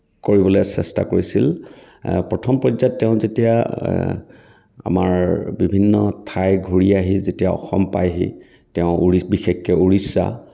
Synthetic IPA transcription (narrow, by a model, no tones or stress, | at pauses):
koɹibɔlɛsɛsta̰koɹisil | pɹɔtʰɔmpɹɔzatːɛʊ̃zetija | a̰maɹbibʱinːɔtʰajɡʱuɹiaɦizetijaɔ̰xɔmpajɦḭ | tɛʊ̃uɹibixekːɛuɹisa̰